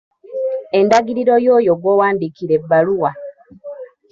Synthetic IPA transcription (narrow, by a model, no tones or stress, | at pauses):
e̞ndaɡiɾiɾo̞jo̞ːjoɡwowaːndikiɾe̞bːaluwa